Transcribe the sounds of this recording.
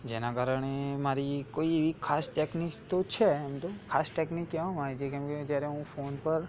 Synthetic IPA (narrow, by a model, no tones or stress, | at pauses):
d͡ʒenakaɾəɳ̃emaɾikoieʋikʰasʈeknikt̪ot͡ʃʰeɛmt̪okʰasʈeknikːɛʋamat͡ʃʰekɛ̃mked͡ʒjaɾeɦũfonpəɾ